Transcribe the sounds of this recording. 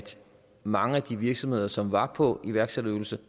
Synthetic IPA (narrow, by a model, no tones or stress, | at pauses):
d̥ | mɑ̈ŋəæd̥iʋiɐɡ̥sɒ̽mhe̝ð̞ˠɐsɒ̽mʋɑ̈pʰɒ̽iʋæɐɡ̥sed̥øʊl̩sə